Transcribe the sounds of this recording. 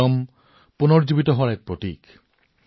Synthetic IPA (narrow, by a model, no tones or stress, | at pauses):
ɔm | punɔɹd͡ʒubitɔɦɔaɹɛk̚pɹotḭk